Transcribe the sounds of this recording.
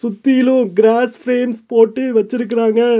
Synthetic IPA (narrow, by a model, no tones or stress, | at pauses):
sʊt̪ːɪjɪlʊ̃ɡɾaːsfɾeːmspoːʈːɯʋɐt͡ʃːɪɾɯk̬ːɪɾaːŋɡɐ